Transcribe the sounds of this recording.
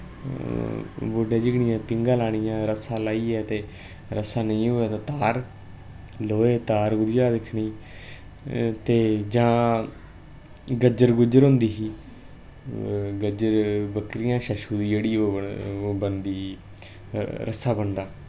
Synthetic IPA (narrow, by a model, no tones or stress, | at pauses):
bʊɖeːd͡ʒɪɡɳĩːɛ̃ːpɪŋɡaːlaːɽ̃iːãːɾəsaːlaːiːɛːt̪eː | ɾəsaːnəĩːɦoːaːt̪at̪aːɾ | loːeːt̪aːɾɡʊd̪ɪjaːd̪ɪkʰɳiː | t̪eːd͡ʒãː | ɡəd͡ʒəɾɡʊd͡ʒəɾɦʊ̃nd̪iːɦiː | ɡəd͡ʒəɾbəkɾɪjãːʃəʃuːd̪iːd͡ʒeːɽiːoːbənd̪iː | ɾə̰saːbənd̪aː